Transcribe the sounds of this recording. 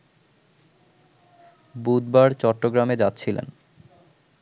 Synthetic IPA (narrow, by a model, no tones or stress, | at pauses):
bud̪baɾt͡ɕɔʈːoɡɾamed͡ʑat̪ːɕʰilḛn